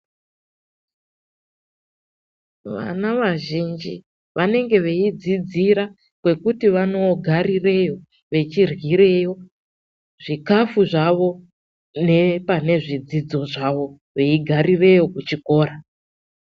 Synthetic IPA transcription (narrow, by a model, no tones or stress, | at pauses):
ʋa̰naʋaʒind͡ʒi | ʋʔane̞ŋɡe̞ʋe̞id͡zid͡ziɾa | kwe̞kutiʋano̞ɡʱarire̞jo̞ | ʋe̞t͡ʃirwiɾe̞jo̞ | ʐ̥ikafuʐaʋo̞ | ne̞pane̞ʐid͡zid͡zo̞ʐaʋo̞ | ʋe̞iɡʱarire̞jo̞kut͡ʃiko̞ːɾa